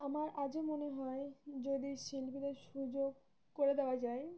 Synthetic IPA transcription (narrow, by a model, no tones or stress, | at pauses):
amaɾʔad͡ʑemoneɦɔed͡ʑod̪iʃilpid̪eɾʃud͡ʑoɡ | koɾed̪eoad͡ʑae